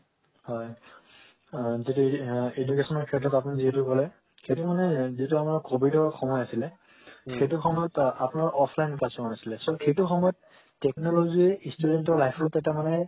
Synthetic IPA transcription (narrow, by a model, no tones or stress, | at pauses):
hɔj | zituedukesɔnɔɹkʰɛtɔtap̬uniziɦetukɔlɛ | xejtumanɛzituamaɹkobidɔɹxɔmɔjasilɛ | xejtuxɔmɔjɔtapʊnaɹʔɔpʰlajnkasɔanasilɛsɔxejtuxɔmɔjɔtː | ɛknɔloɡistudentɔɹlajpʰɔtɛtamanɛ